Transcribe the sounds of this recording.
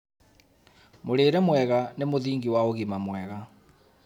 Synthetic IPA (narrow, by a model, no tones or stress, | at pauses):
moɾeːɾɛmwɛɣanemoðiːŋɡiwaoɣimamwɛɣa